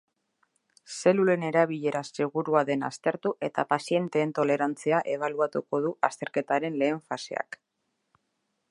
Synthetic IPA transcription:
se̞lule̞ne̞ɾaβ̞iʎe̞ɾase̞ɣuɾuaðe̞na̰st̪e̞ɾt̪uʔe̞t̪apasije̞nt̪e̞ːnt̪o̞le̞ɾant͡siaʔe̞β̞aluat̪uko̞ðuʔast̪e̞ɾke̞t̪aɾe̞nle̞ːɱfasḛa̰k

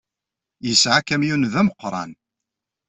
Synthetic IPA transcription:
jəsʕakæmjunðæməqːɾˤɑ̰n

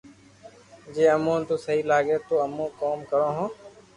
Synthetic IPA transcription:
d͡ʒeːəmũːnt̪uːsəɦiːlaːɡeːt̪oːəmũːkoːmkəɾõːɦõː

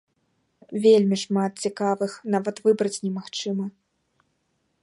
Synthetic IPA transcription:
vʲelʲmʲiʂmat̪̚t͡sʲikavɨxnavɐt̪vɨbɾɐt͡sʲnʲɛmaxt͡ʂɨmɐ

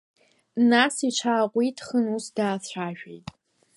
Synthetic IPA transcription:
nasit͡ʃʷʰaːqʷʼitʼʰχənusdaːt͡sʷʰaːʒᶣḛjtʼ

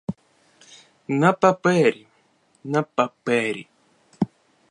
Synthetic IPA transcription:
napapeɾi | napapeɾḭ

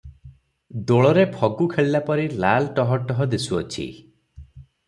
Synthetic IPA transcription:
d̪oɭɔɾepʰɔɡukʰeɭilapɔɾilalʈɔɦɔʈɔɦɔd̪isuɔt͡ʃʰḭ

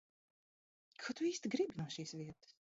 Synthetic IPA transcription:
kʰɔt̪ʊiːst̪iɡɾibʲinuɔʃiːsviɛt̪ɨ̥s

